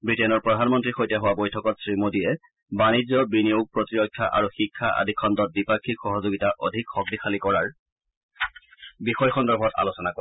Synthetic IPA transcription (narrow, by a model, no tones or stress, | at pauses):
bɹitenɔɹpɹɔdʱanmɔntɹixojtɛɦʊwabojtʰɔkɔtsɹimodijɛ | banid͡ʑɔbinijoɡ̚pɹɔtiɹɔkʰːaʔa̰ɹuxikʰːaʔa̰dʱikʰːɔndɔt̚bipakʰːikxɔɦɔzoɡitaʔɔdʱikxɔk̚dixalikɔɹaɹ | bixɔjxɔndɔɹbʱɔta̰losɔnako